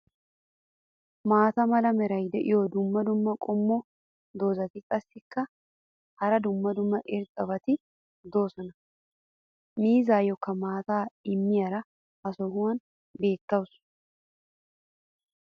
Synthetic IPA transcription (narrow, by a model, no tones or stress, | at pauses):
maːt̪ɐmɐlɐmɛɾɐjd̪ɛʔɪjod̪ʊmːɐd̪ʊmːɐkʼɔmːɔ | d̪o̞ːzɐt̪ɪkʼɐsːɪkːɐ | hɐɾɐd̪ʊmːɐd̪ʊmːɐʔɪɾt̪ʼɐbɐt̪ɪ | d̪o̞ːsɔnɐ | miːzaːjɔkːɐmaːt̪aːɪmːɪjɐɾɐ | hɐsɔhʊwɐn | be̞ːt̪ːɐwʊs